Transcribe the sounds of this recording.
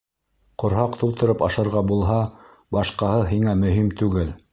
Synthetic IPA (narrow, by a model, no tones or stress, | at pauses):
qŏɾɦɑqt̪ulˠt̪ɤ̆ɾɤpɑʃɑ̆ɾʁɑbulˠɦɑ | bɑʃqɑhɤðɦiŋæmɵ̆ɦimt̪ʉɡɘl